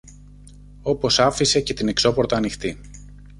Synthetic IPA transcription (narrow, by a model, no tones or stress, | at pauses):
o̞po̞sɐfise̞ce̞t̪ine̞kso̞po̞ɾt̪ɐːnixt̪i